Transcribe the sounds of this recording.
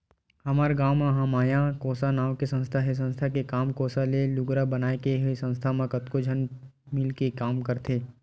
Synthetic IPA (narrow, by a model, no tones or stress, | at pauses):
ɦɐmaːɾɡaːmãɦãmaːjakoːsanaːwkesə̃nst̪ʰaɦes̬ə̃nst̪ʰakekaːmkoːsalelʊɡɾabənaːekeɦesə̃nst̪ʰamãkət̪kod͡ʒʱən | mɪlkekaːmkəɾt̪ʰeː